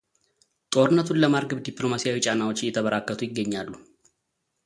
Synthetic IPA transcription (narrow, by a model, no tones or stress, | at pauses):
t̪ʼo̞ɾɨnːət̪ʰunləmaɾɡəβd̪iplo̞masijawit͡ʃʼanawot͡ʃːɪjɛt̪ʰəβəɾakːət̪ʰujɪɡːəɲːalːu